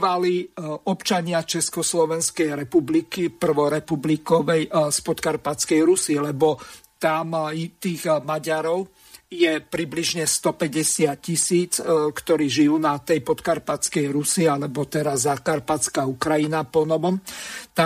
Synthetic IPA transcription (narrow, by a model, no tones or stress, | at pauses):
ʋaliɔpt͡ʃaɲɪat͡ʃɛskɔslɔʋɛnskɛjɾɛpublikipr̩ʋɔɾɛpublikɔʋɛjspɔt̪kaɾpat͡skɛjɾusilɛbɔt̪amit̪iːɣmaɟaɾɔʊ | jɛpɾibliʒɲɛst̪ɔpɛɟɛsɪat̪̚cisiːt͡skt̪ɔɾiːʒijuːnat̪ɛjpɔt̪kaɾpat͡skɛjɾusialɛbɔt̪ɛɾazakaɾpat͡skaukɾajinapɔnɔʋɔmt̪a